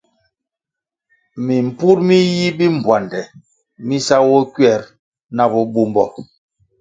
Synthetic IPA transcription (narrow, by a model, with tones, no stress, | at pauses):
mi˨m̩˨pu˦ɾmi˦ji˦bi˦m̩˨bwa˨ndɛ˨ | mi˦sa˦wɔ˦kɥɛ˦˨ɾ | na˦bɔ˦ɓu˦mbɔ̰˨